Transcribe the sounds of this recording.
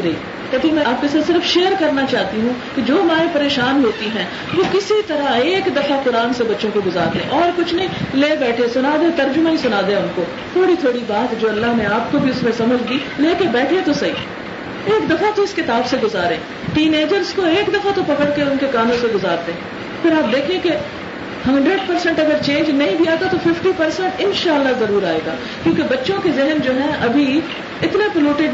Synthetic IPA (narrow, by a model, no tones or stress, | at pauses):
ɾɐi | kɛːt̪ĩmɛ̃aːp̚kesesɪɾfʃeːəɾkɐɾnat͡ʃaːɦt̪iɦũ | ked͡ʒoːmaːẽpɐɾeːʃaːnɦoːt̪iɦɛ̃ː | ʋoːkɪsit̪ɐɾaeːkd̪ɐfakʊɾaːnsebɐtːʃõkoɡʊzaːɾd̪ḛ̃ʔɔːɾkʊt͡ʃʰnɐĩleːbɛːʈʰesʊnaːd̪ẽt̪ɐɾd͡ʒʊmaɦĩsʊnaːd̪ẽʊnko | t̪ʰoːɽit̪ʰoːɽibaːt̪d͡ʒoːɐlːaɦnẽaːp̚kobʱiʊsmẽsɐməd͡ʒʱd̪iː | leːkebɛːʈʰet̪osɐɦḭː | eːkd̪ɐfat̪oɪskɪt̪aːbseɡʊzaːɾḛ̃ː | ʈiːneːd͡ʒəɾskoeːkd̪ɐfat̪opɐkəɽkeʊnkekãːnd̪õseɡʊzaːɾd̪ẽɛ̃ | pʰɪɾaːp̚d̪eːkʰeẽke | hɐ̃ɳɖɾeɖpɐɾsɛ̃ɳʈɐɡəɾt͡ʃẽːnd͡ʒnɐɦĩbʱiaːt̪at̪ofɪfʈipɐɾsɛ̃ɳʈɪnʃaːəlːazɐɾuːɾaːeːɡaː | kjõũːkebɐtːʃõkezɪɦənd͡ʒoːɦɛ̃ʔɐbʱi | ɪt̪nepɪloːʈɪɖ